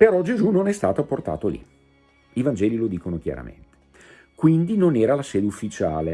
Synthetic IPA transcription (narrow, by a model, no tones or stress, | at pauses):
peɾɔd͡ʒezunonɛst̪aːt̪aport̪a̰ːt̪olḭ | ivand͡ʒɛːlilod̪iːkonokja̰ɾa̰mḛnt̪e̥ | kwind̪inonɛːɾalasɛːd̪eufːit͡ʃaːle